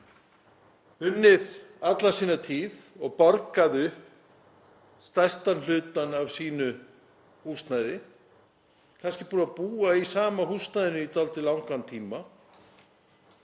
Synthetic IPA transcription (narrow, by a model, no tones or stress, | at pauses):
ʏnːɪðat̪lḁsiːnat̪ʰiːðɔɣpɔɾkaðʏ | st̪ajst̪anl̥ʏːt̪anavsiːnʏ | huːst̪najðɪ | kʰanscɪpuːnapuːaisaːmahuːst̪najðɪnʏit̪ʰalt̪ɪlawŋkant̪ʰiːma